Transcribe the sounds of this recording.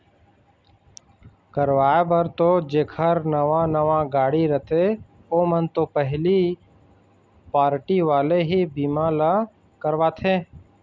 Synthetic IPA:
kəɾʋaːebəɾt̪oːd͡ʒeːkʰəɾnəʋãːnəʋãːɡaːɽiːɾət̪ʰe | oːmənt̪oːpəɦli | paːɾʈiʋaːleːɦiːbiːmãːla | kəɾʋaːt̪ʰẽː

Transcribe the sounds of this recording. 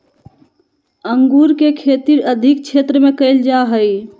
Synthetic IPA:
əŋɡuːɾkekʰeːt̪iɾəd̪ʱɪk̚t͡ʃʰeːt̪ɾəmẽkəɪld͡ʒaɦəi

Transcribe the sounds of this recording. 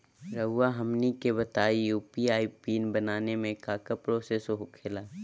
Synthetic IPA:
ɾəwaɦɐmnikebɐt̪aːijuːpiaːipiːnbɐnaːnemẽkaːkəpɾoːseːsoɦʊkʰelaː

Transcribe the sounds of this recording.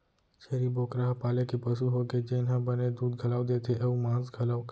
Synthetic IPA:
ʃeɾiboːkɾaːɦpaːlekepɐsuɦoɡed͡ʒeɪnɦãbɐned̪uːd̪ɡʱɐlaːod̪eːt̪ʰeʔɐũmãːzɡʱɐlaːk

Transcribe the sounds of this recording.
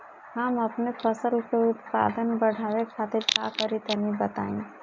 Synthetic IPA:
hɐmɐpnepʰɐsəlkeʊt̪pa̰ːd̪ənbɐɽ̤ʱaːʋekʰaːt̪ɪɾka̰ːkəɾit̪ənibɐt̪a̰ːḭ̃

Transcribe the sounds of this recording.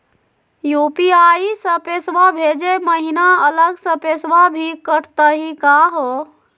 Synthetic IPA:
jupiaisəpesʋabʱed͡ʒeməɦinaələɡsə̃pesʋabʱikəʈt̪əɦikaɦo

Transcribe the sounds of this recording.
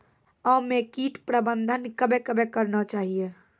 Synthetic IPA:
ɔmekiʈpɾəbənd̪ʱənkəbekəbekəɾnət͡ʃaɦije

